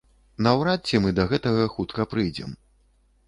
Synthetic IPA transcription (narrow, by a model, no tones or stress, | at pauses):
nɐwɾat͡sʲːimɨd̪ɐɣɛt̪ɐɣɐxut̪kɐpɾɨjd͡zʲɛ̰m